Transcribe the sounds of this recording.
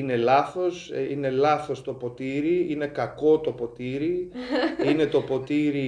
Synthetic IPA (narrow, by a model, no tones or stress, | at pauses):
ine̞lɐθo̞sine̞lɐθo̞st̪o̞po̞t̪iɾiine̞kɐko̞t̪o̞po̞t̪iɾi | ine̞t̪o̞po̞t̪iɾi